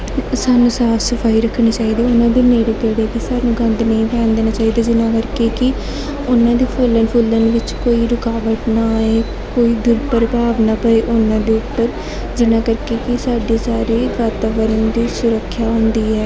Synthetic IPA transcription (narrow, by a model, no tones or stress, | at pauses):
saːnũːsaːpʰsəfʰaːiːɾəkʰːɳiːt͡ʃaːɦiːd̪aːʊnãːd̪eːneːɽipeːɽeːk̪isaːnũːɡə̃nd̪nəĩːpʰɛ̃ːnd̪eːnaːt͡ʃaːɦiːd̪aːd͡ʒɪnãːkəɾkeːkɪ | ʊnãːd̪iːpʰʊːlənpʰʊːlənʋɪt͡ʃkoːiːɾʊkaːʋəʈnaːeː | koːiːd̪ʊɾpəɾbaːʋnaːpəeːʔʊnãːd̪eːʊpːəɾ | d͡ʒɪnãːkəɾkeːkɪsaːɖiːsaːɾeːʋaːɾt̪aːʋəɾənd̪iːsʊɾəkʰːjaːɦõnd̪iːɛː